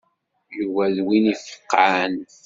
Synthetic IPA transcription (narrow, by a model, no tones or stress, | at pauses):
juvæðwinifə̥qːan